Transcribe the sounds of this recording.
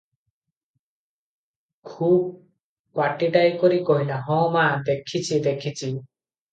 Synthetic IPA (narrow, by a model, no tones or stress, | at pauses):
kʰub̚ | kwaʈiʈajkoɾikoɦilaɦɔ̃mad̪ekʰit͡ɕʰid̪ekʰit͡ɕʰi